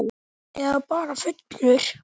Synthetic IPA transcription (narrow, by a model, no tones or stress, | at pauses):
ɛðpaːɾafʏt̪nʏɾ̥